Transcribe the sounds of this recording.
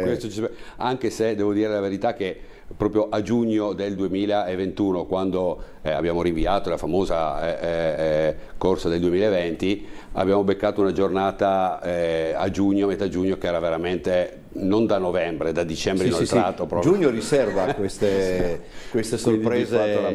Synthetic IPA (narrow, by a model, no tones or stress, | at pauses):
kwest̪ot͡ʃisaŋk̟esed̪ɛːvod̪iːɾelaveɾit̪ak̟ːe | pːɾɔːpɾjoʔad͡ʒuɲːod̪eld̪uemiːlaevːent̪uːnokwand̪o | ɛa̰bjaːmoɾiɱviaːt̪olafamoːza | korsad̪eld̪uemiːlaevent̪ia̰bːjaːmobekːaːt̪ounad͡ʒornaːt̪a | a̰d͡ʒuɲːoamet̪ad͡ʒuɲːokeɛːɾaveɾament̪e | nond̪anːovɛmbɾed̪ad̪it͡ʃɛmbɾenot̪ːɾat̪opɾɔpʒuɲːoɾisɛrvakwest̪e | kwest̪esorpɾeːzeala